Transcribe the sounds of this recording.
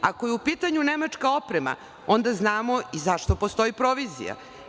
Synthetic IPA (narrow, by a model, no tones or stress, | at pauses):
akojeupiːt̪aɲunemat͡ʂkao̞pɾema̰ | o̞nd̪aznaːmoizaʃt̪o̞post̪o̞ipɾo̞ʋizḭja̰